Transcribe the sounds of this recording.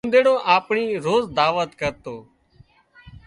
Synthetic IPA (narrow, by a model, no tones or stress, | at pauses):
nd̪eːɽõːʔaːpɳiːɾoːzd̪aːʋət̪kəɾt̪oː